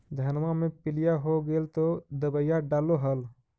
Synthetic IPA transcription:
d̪ʱənmamẽpɪlijaɦoɡelt̪od̪əbəjaɖaːloɦəl

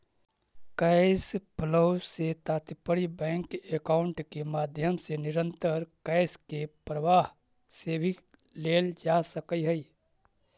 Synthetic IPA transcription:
kɛɪspʰlowset̪aːt̪ipəɽibɛ̃ːŋkekaːʊɳʈkemaːd̪ʱjəmsenɪɾə̃nt̪əɾkɛɪskepɾəʋaːɦ | seːbʱi | leːld͡ʒasəkəiɦəi

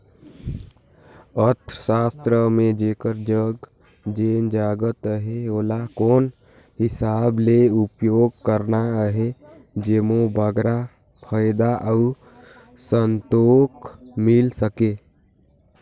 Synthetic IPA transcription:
əɾt̪ʰəʃaːst̪ɾəmẽd͡ʒeːkəɾd͡ʒəɡ | d͡ʒeːnd͡ʒaːɡət̪əɦeoːlakoːn | ɦɪsaːbleupjoːɡ̚kəɾnaɦe | d͡ʒeːmobəɡɾa | pʰəjd̪aʔəu | sənt̪oːkmɪlsəke

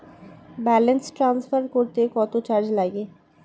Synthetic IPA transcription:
bɛːlənsʈɾãːnsfʰəɾkoːɾt̪ekɔːt̪ot͡ʃaːɾd͡ʒlaːɡeː

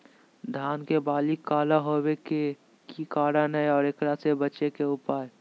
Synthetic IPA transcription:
d̪ʱaːnkebaːlikːaːlaɦoːweke | kikaːɽanəeɔːɾekɽasebɐt͡ʃekeʊpaːj

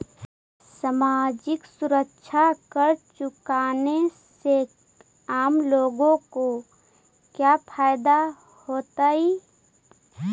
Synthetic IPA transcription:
samad͡ʒɪksʊɾəkʃʰakəɾt͡ʃʊkaːnese | aːmloːɡõko | kjapʰaːjd̪a | hoːt̪ai

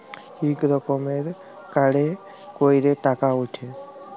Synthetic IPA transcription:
hikɾɔkomeɾ | kaɽe | koiɾeʈakauʈʰe

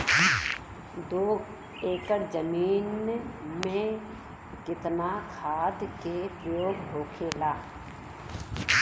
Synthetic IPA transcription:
d̪oː | eːkəɾd͡ʒəmiːnmẽ | kɪt̪nakʰaːd̪kepɾəjoːɡɦoːkʰelaː

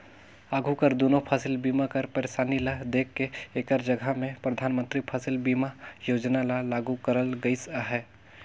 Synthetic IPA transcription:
aːɡʱukəɾd̪oːnopʰaːsɪlbiːmakəɾpəɾeːsaːnilad̪eːkːeeːkəɾd͡ʒəɡʱəmẽpɾəd̪ʱaːnmə̃nt̪ɾipʰaːsɪlbiːmajoːd͡ʒnalalaːɡukəɾəlɡəɪsaɦɛː

